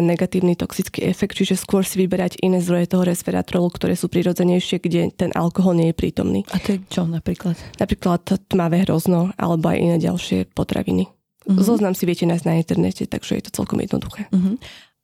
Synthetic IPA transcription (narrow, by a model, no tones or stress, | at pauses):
nːɛɡat̪iːʊnit̪ɔksit͡skiːʔɛfɛk̚t̪t͡ʃiʒɛskʊɔɾsiʋibɛɾaɟʔinɛːzd̪ɾɔjɛt̪ɔɦɔɾɛspɛɾa̰t̪ɾɔlukt̪ɔɾɛːsuːpɾiɾɔd͡zɛɲɛjʃɪɛɡɟɛt̪ɛnʔa̰lkɔɦɔlɲɪɛjɛpɾḭːt̪ɔ̰mnḭːat̪ɔt͡ʃɔnapɾiːklat̪napɾiːklat̪ːmaʋɛɦɾɔznɔʔa̰lɛbɔa̰jʔḭnɛːɟa̰lʃɪɛ̰pɔt̪ɾa̰ʋḭni | zɔznamsiʋɪɛcɛnaːznaint̪ɛɾnɛ̰cɛt̪a̰ɡ̥ʒ̥ɛ̰jɛ̰t̪ɔ̥t͡sɛ̰lkɔmjɛd̪n̰d̪uxɛːɦ